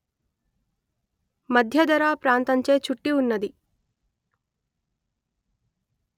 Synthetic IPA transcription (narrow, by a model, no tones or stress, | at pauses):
mɐd̪ʱjɐd̪ɐɾaːpɾaːnt̪ɐɲt͡ʃe̞ːt͡ʃuʈːiunːɐd̪i